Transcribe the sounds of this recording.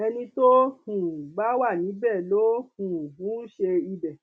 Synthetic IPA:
ɛ˧nĩ˧to˦hũ˨ɡ͡ba˦wa˦˨nĩ˨˦bɛː˦˨lo˦hũ˨bũ˨˦n̩˦ʃe˧i˧bɛ˨

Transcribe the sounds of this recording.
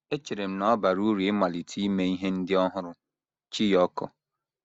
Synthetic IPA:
e˦t͡ʃe˨ɾe˨m̩˦nɔ˦ba˨ɾu˦ɾi˨ɪ˦ma˨li˨tʰi˦me˦i˦ɦe˦n̩˦dɪ˦ɔ˦ɦʊ˦ɾʊ˨ | t͡ʃi˦jɔ˦kɔ̰˦

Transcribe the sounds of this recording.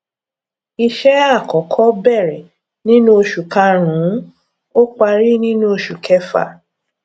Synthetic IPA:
i˧ʃɛ˦a˦˨kɔ˨kʰɔ˦bɛ˦˨ɾɛ˨ | nĩ˦nũ˦o˧ʃu˨ka˧ɾ̃ũ˨˦ | o˦k͡pa˧ɾi˦nĩ˦nũ˦o˧ʃu˨kʰɛ˦fa̰˦˨

